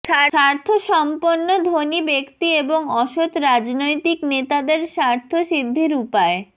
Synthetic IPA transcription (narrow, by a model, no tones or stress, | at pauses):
ʃaaɾt̪ʰoʃɔmponːod̪ʱonibekt̪ieboŋɔʃot̪ɾad͡ʑnojt̪iknet̪ad̪eɾʃaɾt̪ʰoʃid̪ʱːeɾupae